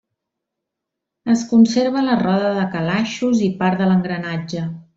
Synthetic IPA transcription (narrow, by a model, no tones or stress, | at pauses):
əskunseɾβ̞ələrɔðəðəkəlaʃuzipaɾðələŋɡɾənad͡ʒə